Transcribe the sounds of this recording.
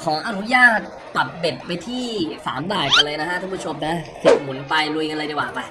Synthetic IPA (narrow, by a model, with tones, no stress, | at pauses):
kʰɔː˩˦ŋʔa˧nu˦˥jaː˥˩t̪̚ːa˨˩p̪̚be˨˩t̪̚pa˧jt̪ʰiː˥˩sa̰ː˩˦mdaː˨˩jka˧nlɤː˧jna˦˥kʰa˦˥ʔ̪ʰu˥˩pu˥˩t͡ɕʰo˧mna˦˥ke˨˩t̪̚mu˩˦npa˧jlu˧jka˧la˧di˧waː˨˩pa˧j